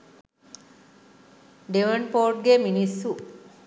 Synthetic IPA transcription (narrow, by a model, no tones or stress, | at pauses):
ɖeʋɐɳpoːɾʈ̚ɡeminisːu